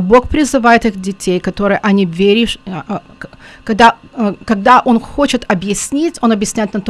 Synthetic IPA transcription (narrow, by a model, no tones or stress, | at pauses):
bo̞xpɾʲɪzɨvajɪt̪ɨxdʲɪtʲejkɐt̪o̞ɾɨjəʔɐnʲivʲeɾʲɪʂ | kɐɡ̚d̪akɐɡ̚d̪aʔo̞nxot͡ɕɪt̪ɐbjɪsʲnʲitʲo̞nɐbjɪsʲnʲæjɪt̪nɐt̪